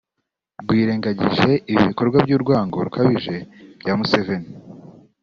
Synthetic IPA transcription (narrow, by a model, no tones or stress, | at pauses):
bwiːɾe̞ːŋɡaɟiʒe̞iβiβiko̞ɾɡwabɟuːɾɡwaːŋɡo̞ɾukʰaβiʒe̞b̥ɟaːmuseveni